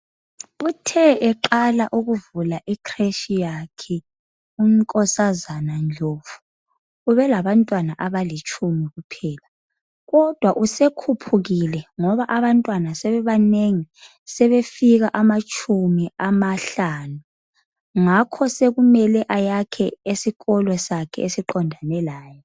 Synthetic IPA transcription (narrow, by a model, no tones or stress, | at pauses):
utʰɛʔɛǃalaʔuɣuvulaʔikʰreʃijakʰɛ | um̩kʼɔsazanand͡ɮʱoːvu | uβɛlaβantʼwanaʔaβalit͡ʃʼumiɣupʰɛːla | ɣɔd̥ʱwaʔusekʰupʰuɣilɛŋɔβaʔaβantʼwanasɛβɛβaneŋi | sɛβefiɣaʔamat͡ʃʼʰumiamaɬaːnu | ŋakʰɔseɣumɛlɛʔajakʰɛesiɣɔlwɛsakʰɛesiǃɔndʱanɛlaːjɔ